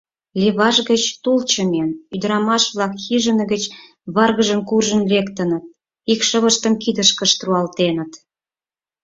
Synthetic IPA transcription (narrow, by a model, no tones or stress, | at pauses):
lʲiβɑʒɣə̆t͡ɕt̪ult͡ɕəmenyd̪əɾɑmɑʃβlɑkxiʒə̆nə̆ɣət͡ɕ | βɑrɣəʒəmkurʒə̆nlekt̪ənət̪̚ | ikʃə̆βəʃt̪əmkid̪əʃkə̆ʃt̪ruɑlt̪enət̪